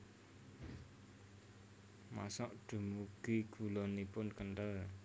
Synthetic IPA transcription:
ma̰sɔʔɖ̥ṳmuɡ̥iɡ̥ṳlɔnipʊnkənʈəl

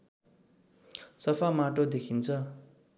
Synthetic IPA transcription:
sʌpʰamaʈod̪ekʰint͡sʰʌ

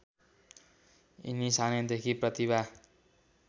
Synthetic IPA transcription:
ḭnisaned̪ekʰiprʌt̪iβa

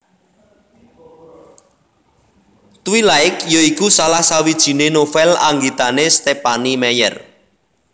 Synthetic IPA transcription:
t̪wilaɪkjoikusalahsawid̥ʒ̥i̤nenofɛlaŋɡit̪anest̪epanimɛjɛ̰r

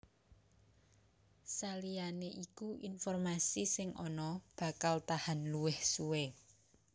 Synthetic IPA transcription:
salijaneʔikuʔinfɔrmasisɪŋʔɔnɔb̥a̤kalt̪ahanluwɪhsuwe

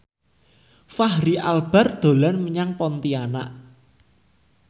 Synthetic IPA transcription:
faɦɾialb̥a̤rd̪̥o̤lanməɲaŋpɔnt̪iana̰ʔ

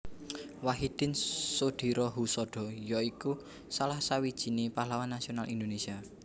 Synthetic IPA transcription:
waɦid̪̥ɪnsod̪̥i̤ɾɔɦusɔɖ̪̥ɔ̤jɔiku | salahsawid̥ʒ̥i̤nepalawanːasionalʔind̪onesia

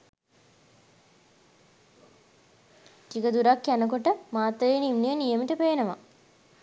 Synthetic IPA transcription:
tikəd̪uɾakjænəkoʈəmaːt̪ːəenimnijənijəmiʈəpeːnəʋa

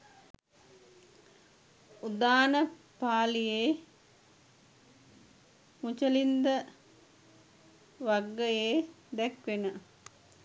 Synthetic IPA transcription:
ud̪aːnə | paːlijeː | mut͡ʃəlind̪ə | ʋaɡːəjeː | d̪ɛkʋenə

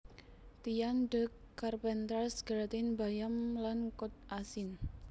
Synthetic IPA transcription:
t̪ijanɖə̤kːarpɛnt̪ɾasɡ̥ɾat̪ɪnbajamlankʊt̪̚ʔasɪn

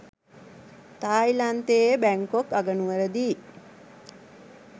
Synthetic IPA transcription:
t̪aːjlant̪eːjəbæŋkokaɡənuʋəɾəd̪iː

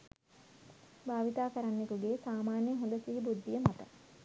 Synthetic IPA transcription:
bʱaːʋit̪aːkəɾanːekuɡeːsaːmaːnjəɦond̪əsiɦibud̪ːijəmat̪ə

